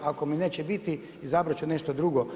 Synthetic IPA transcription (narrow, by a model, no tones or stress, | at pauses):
akomineːt͡ɕebit̪i | izabɾat͡ʃuneʃt̪od̪ɾuɡo